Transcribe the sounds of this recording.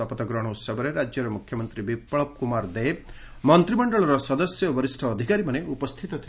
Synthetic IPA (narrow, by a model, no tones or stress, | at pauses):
ɔpɔt̪ɔɡɾɔɽ̃ɔut̪sɔbɔɾeɾad͡ʒjɔɾɔmukʰjɔmɔnt̪ɾibipɭɔp̚kumaɾd̪e | mɔnt̪ɾimɔɳɖɔɭɔɾɔsɔd̪ɔsjɔbɔɾisʈʰɔːd̪ʱikaɾimaneupɔst̪ʰit̪ɔt̪ʰi